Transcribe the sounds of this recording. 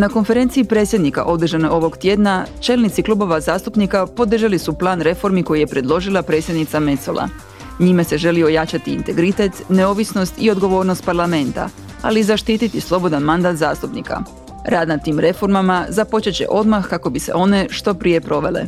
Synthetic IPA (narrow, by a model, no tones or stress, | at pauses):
nako̞nfe̞ɾent̪siipɾe̞t̪sʲje̞d̪nika̰ʔo̞d̪r̩ʒaneo̞ʋo̞ɡt̪je̞d̪nat͡ʃe̞ːlnit̪siklˠuːbo̞ʋazaːst̪upnikapo̞d̪r̩ʒalisuplˠaːnɾe̞fo̞ɾmiko̞jije̞pɾe̞d̪lˠo̞ʒilˠapɾe̞tsjed̪nit̪same̞t̪so̰lˠʔa̰ | ɲimase̞ʒe̞liojat͡ɕat̪iːnt̪e̞ɡɾit̪e̞t̪ne̞o̞ʋisno̞st̪io̞d̪ɡo̞ʋo̞ːɾno̞st̪paɾlame̞nt̪a̰ | a̰lizaʃt̪iːt̪it̪islˠo̞bo̞d̪anmand̪aːt̪zaːst̪upnḭka̰ | ɾaːd̪nat̪ːiːmɾe̞fo̞ɾmamazapo̞t͡ʃet͡ɕe̞̰ʔo̞d̪maxkako̞bise̞̰ʔo̞ne̞ʃt̪o̞pɾije̞pɾo̞ʋe̞lḛ